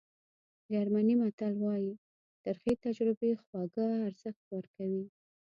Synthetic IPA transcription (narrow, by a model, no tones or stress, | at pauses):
d͡ʒaɾmanimat̪alwɑji | d̪̥aɾxit̪ad͡ʒɾɪbexwɑɡaːɾz̥əxt̪wəɾkawi